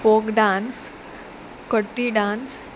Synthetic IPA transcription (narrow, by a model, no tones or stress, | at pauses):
fokɖãns | kəʈːiɖãns